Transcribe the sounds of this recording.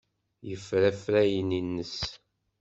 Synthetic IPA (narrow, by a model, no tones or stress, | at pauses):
jəfɾæfɾæjəninːəs